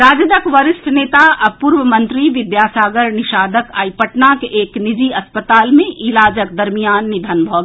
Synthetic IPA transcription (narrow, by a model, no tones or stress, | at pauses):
ɾaːd͡ʒəd̪əkʋəɾɪst̪ʰneːt̪aʔɐpuɾʋəmɐ̃nt̪ɾiʋɪd̪jaːsaːɡəɾnɪʃaːd̪əkaːipəʈnakeʔeːknɪd͡ʒiɐspət̪aːlmẽʔɪlaːd͡ʒək̚d̪ɐɾmijaːnːɪd̪ʱənbʱɔːɡ